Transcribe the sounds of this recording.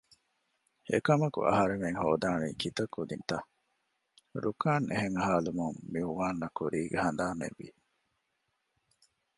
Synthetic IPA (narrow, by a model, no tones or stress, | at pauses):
ḛkɐmɐkṵʔɐ̰ɦɐɾeŋeŋhoːd̪aːnḭːkit̪ɐkːud̪int̪ɐ | ɾukaːnʔḛɦeŋhaːlumuŋmiuʋaːnːɐkuɾiːɡehɐnd̪aːnḛʋːḭ